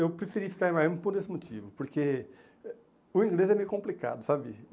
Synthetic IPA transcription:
ewpɾefiɾiɐfi̥kaɾẽmajmpoɾd̪esɪmot͡ʃivʊpoɾke | ʊĩŋɡlezɛmejʊukõmplika̰d̪ʊsabɪ̰

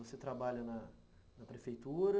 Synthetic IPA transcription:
oset̪ɾabaʎɐnɐ | nɐpɾefejt̪uɾɐ

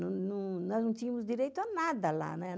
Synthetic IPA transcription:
nɐ̃nɐ̃w̃nɔznɐ̃w̃t̪ĩɲɐmʊzd̪iɾejt̪ʊanad̪ɐla̰nɛ

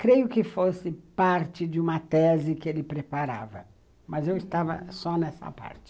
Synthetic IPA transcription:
kɾejʊkɪfosɪpaɾt͡ʃɪd͡ʒɪũmɐt̪ɛzɪkɪelɪpɾepaɾa̰vɐ̰ | mɐzewɪst̪avɐ̰sɔnɛsɐ̰pa̰ɾt͡ʃɪ̥

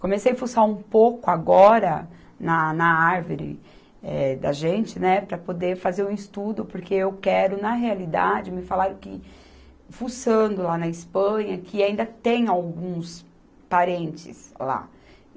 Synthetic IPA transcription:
komesejafusaũpokʊaɡɔɾɐ | nɐnɐaɾvoɾɪ̰ | ɛd̪ɐ̰ʒẽnt͡ʃɪnɛpɾɐpod̪eɾfazeɾũist̪ud̪ʊpʊɾkeewkɛɾʊnɐɦealid̪a̰d͡ʒɪmɪfalaɾʊ̃kɪ̰ | fusɐ̃nd̪ʊlanɐispɐ̃ɲɐkɪaĩd̪ɐt̪ẽj̃awɡũs | paɾẽnt͡ʃɪ̰sla̰

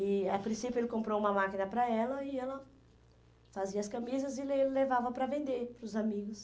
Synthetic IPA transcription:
ɪapɾĩsipjʊelɪkõmpɾoũmɐmakinɐpɾɐɛlɐɪɛlɐ | faziɐskɐmizɐzɪlelevavɐpɾɐvẽnd̪eɾpɾʊzamiɡʊs

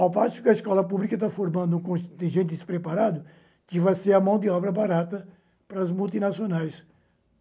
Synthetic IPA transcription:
awpasʊ̥kɪɐiskɔlɐpublikɐt̪afoɾmɐ̃nd̪ʊũkõʃt̪ẽʒẽnt̪ɪspɾepaɾad̪ʊ | kɪvajseɾɐmɐ̃w̃d̪ɪɔbɾɐbaɾat̪ɐ | pɾɐzmulˠt̪inasionajs

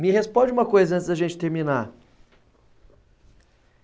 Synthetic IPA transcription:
mɪɦespõd͡ʒũmɐkojzɐɐ̃t̪szd̪ɐʒẽnt͡ʃɪ̥t̪eɾmĩnaɾ

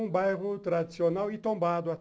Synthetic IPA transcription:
ũbajʁʊt̪ɾad̪i̥sionawit̪õmbad̪ʊa

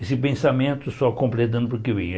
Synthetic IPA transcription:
esɪpẽsamẽnt̪ʊsɔkõmpɾet̪̬ɐ̃d̪ʊpoɾkevẽ

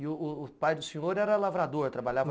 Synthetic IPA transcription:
ɪʊːpajd̪ʊsẽŋoɾɛɾɐlavɾad̪oɾt̪ɾabaʎavɐ

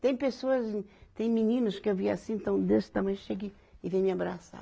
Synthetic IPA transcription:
t̪ẽj̃pesoɐzt̪ẽj̃minĩnʊʃkewvia̰sĩent̪ɐ̃w̃d̪eʃt̪ɐmɐ̃j̃ʃeɡi | ivẽj̃miabɾasa̰

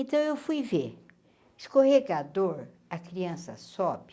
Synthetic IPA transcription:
ẽt̪ɐ̃w̃ewfujveɾ | ɪskoheɾkɐd̪oɾ | ɐkɾiɐ̃sɐ̰sɔbɪ

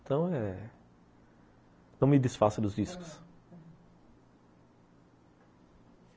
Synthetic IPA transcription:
t̪ɐ̃w̃ɛ | nɐ̃w̃mɪd̪ɪsfasʊd̪ʊzd͡ʒiskʊ̥s

